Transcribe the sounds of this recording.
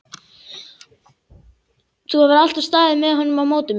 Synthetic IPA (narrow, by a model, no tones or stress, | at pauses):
θuhavaɾal̥t̪av̥st̪aːðɪmɛðɦɔnːʏmawmoːwt̪ʏm